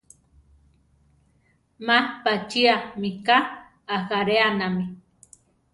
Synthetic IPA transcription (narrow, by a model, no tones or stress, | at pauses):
mapat͡ʃiamikaː | haɾeanami